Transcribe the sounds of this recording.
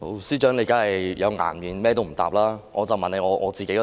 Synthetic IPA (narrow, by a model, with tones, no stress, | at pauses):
o˨˩siː˥t͡ʃœː˨˥ŋle˨˧jkaː˨˥hɐ˨jjɐ˨˧wŋa̰ː˨˩nmiː˨˩nmɛː˥t̪o˥wm̩˨˩t̪a̰ː˨p̚laː˥ŋʔɔː˨˧t͡sɐ˨wmɐ˨ne˨˧ŋɔː˨˧ŋʔɔ̰ː˨˧t͡siː˨ke˨˥˦